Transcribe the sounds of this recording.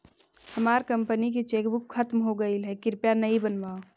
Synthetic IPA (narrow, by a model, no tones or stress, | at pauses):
həmaɾkəmpənik̬et͡ʃekbukʰːət̪mɦoɡəilɦɛkɪɾpjanəibənba